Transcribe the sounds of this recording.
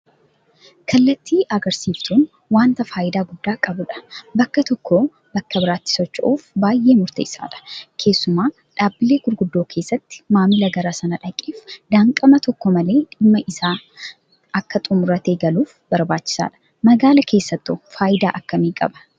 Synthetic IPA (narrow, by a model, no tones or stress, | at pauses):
kʰɐlːɐt̪ːiːʔɐɡɐɾsiːft̪ʰuːn | waːnt̪ɐfaːjɪd̪aːɡʊd̪ːaːkʼɐbʊᶑɐ̥bɐkːɐt̪ɔkːoː | bɐkːɐbɪɾaːt̪ːɪ̥sɔt͡ʃːɐ̰ʔuːfbaːjʔe̞ːmʊɾt̪ḛːɪsa̰ːᶑɐ̥kʰe̞ːsːʊmaː | ᶑaːbːɪle̞ːɡʊɾɡʊd̪ːoːkʰe̞ːsːɐt̪ːɪ̥maːmɪlɐɡɐɾaːsɐnɐᶑɐkʼːeːfd̪aːŋkʼɐmɐt̪ɔkːomɐle̞ːᶑɪmːɐʔɪsaː | ɐkːɐt̪ʼʊmʊɾɐt̪eːɡɐluːfbɐɾbaːt͡ʃːɪ̥sa̰ːᶑɐ̥ | mɐɡaːlɐkʰe̞ːsːɐt̪ːofaːʔɪd̪aːʔɐkːɐmiːkʼɐ̰bɐ̥